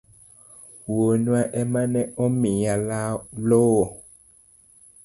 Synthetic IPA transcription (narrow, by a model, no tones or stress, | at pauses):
wonũaʔɛmãnɛ̃ɔmĩjalalowo